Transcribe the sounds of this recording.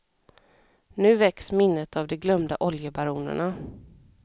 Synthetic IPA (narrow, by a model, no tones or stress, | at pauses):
nʉ̟ːvɛksmɪnːət̪avd̪ɛɡlœmd̪aʔɔljəbaɾuːnə̰ɳa